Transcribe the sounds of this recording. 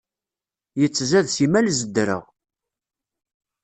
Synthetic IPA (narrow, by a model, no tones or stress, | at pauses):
jət͡sːzæðsimælzəd̪ːɾə̰ʁ